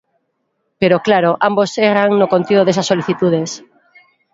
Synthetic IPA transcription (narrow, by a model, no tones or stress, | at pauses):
peɾoklaɾoʔamboseɣɾaŋnokont̪iðoðesasːoliθit̪uð̞es